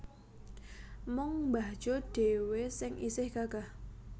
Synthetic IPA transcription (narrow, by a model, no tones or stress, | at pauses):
mɔŋmbḁʒ̥oɖ̥ewesɪŋisɪhɡ̥aɡ̥ah